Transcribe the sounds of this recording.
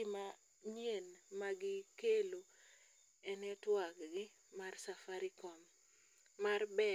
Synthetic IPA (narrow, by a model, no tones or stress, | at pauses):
ɪma | ɲjenmaɡɪkelo | ɛnɛtwakɡɪ | marsafaɾikɔm | marbɛ